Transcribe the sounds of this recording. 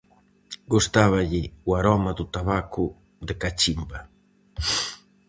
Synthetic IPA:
ɡust̪aβaʎɪuaɾɔmɐd̪ut̪aβakʊ | d̪ekat͡ʃimbɐ

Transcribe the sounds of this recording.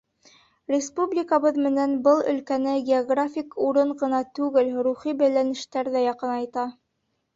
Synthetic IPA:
rʲɪspublʲɪkəβɤðmɘ̆nænbɤlˠɵ̰̆lkænɘɡʲeoɡrafʲikuɾɤɴʁɤ̆nɑt̪ʉɡɘlɾuχibæjlænɘ̆ʃt̪æɾðæjɑqɤnɑjt̪ɑ

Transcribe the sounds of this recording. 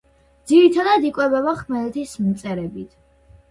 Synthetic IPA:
d̪ziɾit̪ʰad̪ad̪ikʼwɛbɛvaχmɛlt̪ʰismt̪sʼɛɾɛbit̪ʰ

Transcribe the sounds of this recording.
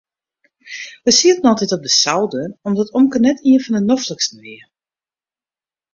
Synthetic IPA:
ʋəsiətn̩ɔlˠtɛtɔp̚dəsawdənɔmdɔtomkərnɛtʰiənfɔndənɔfləks̩ʋɪə

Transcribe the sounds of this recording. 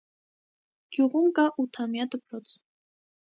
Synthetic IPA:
ɡ̥ʲjuʁumkaʔut̪ʰamjad̪əpʰɾɔt͡sʰ

